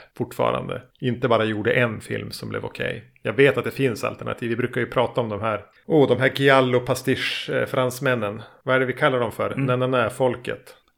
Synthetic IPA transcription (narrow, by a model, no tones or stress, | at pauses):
fʊʈːfɑ̰ːɾa̰nd̪ə̰ | ɪnt̪əbɑːɾajuːɖəʔɛnfɪ̰lmsɔmblʔɛ̰vɔkʰɛ̰j | jɑːɡveːt̪at̪̚d̪ɛfɪnsa̰lt̪ɛɳa̰t̪ʰiːvːɪbɾʉːkaɾjɵpʰɾɑːt̪aɔmd̪ɔmhæːɾ | uːd̪ɔmɦæːɾɡɪalːʊpʰast̪ɪʂfɾansmɛnːənvaæɖɛvɪkʰalːaɖɔmfœɾnɛnanafɔlkə̰t̪